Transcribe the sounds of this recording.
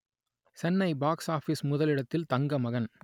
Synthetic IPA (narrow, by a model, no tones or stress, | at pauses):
sɛnːɐɪbaːksaːfismʊðɐlɪɽɐt̪ːɪlt̪ɐŋɡɐmɐɣɐn